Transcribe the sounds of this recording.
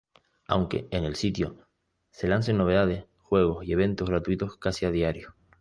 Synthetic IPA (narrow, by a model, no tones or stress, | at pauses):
a̰wŋke̞̰ene̞lsit̪jo | se̞lansenːo̞βe̞ðað̞e̞s | xwe̞ɣ̞o̞sie̞β̞ẽ̞nt̪oɣɾat̪uit̪o̞skasiaðiaɾjo